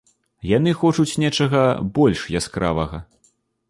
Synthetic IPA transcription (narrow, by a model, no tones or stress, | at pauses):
janɨxɔt͡ʂut͡sʲnʲɛt͡ʂɐɣɐbɔlʲʂjaskɾa̰vɐɣɐ